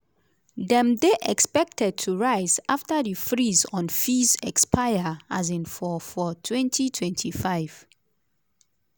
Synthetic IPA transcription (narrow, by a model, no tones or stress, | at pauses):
dɛ̃mdeʔɛkspɛk̚tʰɛd̚tʰuɹaɪzaftədifɹizɔ̃nfizɛkspʰajəazĩnfɔfɔtʰwɛ̃ntʰitʰwɛ̃ntʰifaɪv̥